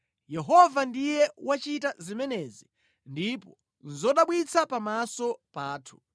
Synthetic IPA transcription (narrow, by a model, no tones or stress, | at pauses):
jɛɦɔvandijɛwat͡ʃitazimɛnɛzi | ndipɔ | nzɔɗaɓwit͡sʰapamasɔpaːtʰu̥